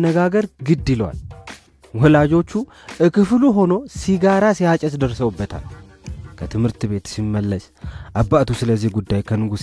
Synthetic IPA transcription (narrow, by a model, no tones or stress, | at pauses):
nːəɡaɡəɾɡɨd̪ːɨlwa̰l | wɔhlad͡ʒo̞t͡ʃːu | ʔɨkʰɨfluɦo̞no̞siɡaɾasijat͡ʃʼɛsd̪əɾsəwubːət̪ʰa̰l | kʰət̪ʰɨmhɨɾt̪ɨβe̞t̪simːəlːəs | ʔabːat̪usɨləzːihɡud̪ːajkʰənɨɡus